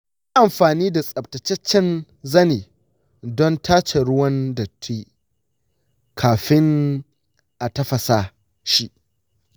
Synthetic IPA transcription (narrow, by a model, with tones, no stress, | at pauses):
ja˦ʔa˨mɸaː˨niː˦da˨sʼɐ˨b̚tɐ˨t͡ʃɛ˦t͡ʃːɛ˦n | zɐ˦neː˨ | dɔ˦ntʰaː˦t͡ʃe˨ɽʊ˦wɐ˦nda˨tʰi˦ | kʰaː˨ɸɪ˦ŋ | ʔa˨tɐ˦ɸɐ˨sa˦ | ʃi˦ʔ